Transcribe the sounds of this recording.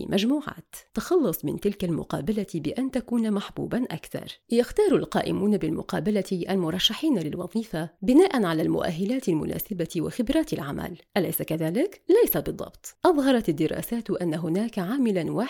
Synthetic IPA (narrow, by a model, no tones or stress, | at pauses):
mʔad͡ʒmuːʕa̰ːt̪ːɑxɑlːɑsˤmɪ̰nt̪ɪlkalmʊ̰qɑːbalabɪʔant̪akuːnmaħbṵːbanʔa̰kθɑ̰ɾˤjaxt̪ɑːɾˤalqɑːʔɪ̰muːnabɪlmʊ̰qɑːbalat̪ʔalmʊɾˤɑʃːaħiːnalɪlwɑ̰ðˤiːfabɪnaːʔanʕalaːlmʊ̰ʔa̰ɦːɪlaːt̪ɪlmʊ̰nʔa̰ːsɪbat̪wa̰xɪbɾɑːt̪ɪlʕamʔa̰lʔʔalajsakaðaːlɪklajsabɨðˤːɑ̰b̥t̪ˤʔɑðˤɦɑɾˤɑt̪ad̪ːɪɾɑ̰ːsaːt̪ʔanːaɦʊnaːkaʕaːmɪlanwaː